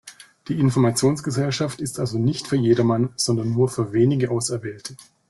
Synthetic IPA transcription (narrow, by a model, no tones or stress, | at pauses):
d̥iːɪnfɔɐmat͡sjoːnsɡ̥əzɛlʃaftɪstʔalzonɪçtfyːɐjeːdɐmanz̥ɔndɐnːuːɐfyːɐveːnɪɡəʔaʊsɛɐvɛːltʰə